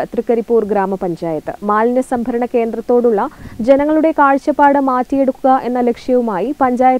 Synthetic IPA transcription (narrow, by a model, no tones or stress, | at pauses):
t̪rikːɐɾipːuːrɡɾaːmɐpɐɲd͡ʑaːjɐt̪ːɨmaːlnjɐsɐmbʱɐɾɐɳɐke̞ːnd̪rɐt̪ːo̞ːɽuɭːɐd͡ʑe̞nɐŋːɐɭuɽe̞kaːɻt͡ɕːɐpːaːɽɨmaːtːije̞ɽukːuɣɐʔe̞nːɐlekʂjɐʋumaːjipɐɲd͡ʑaːjɐ